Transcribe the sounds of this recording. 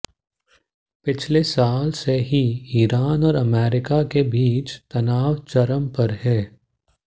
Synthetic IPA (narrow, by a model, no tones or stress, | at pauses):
pɪt͡ʃʰlesaːlseɦiiːɾaːnɔːɾɐmɛːɾɪkakebiːt͡ʃt̪ɐnaːʋt͡ʃɐɾəmpɐɾɦɛː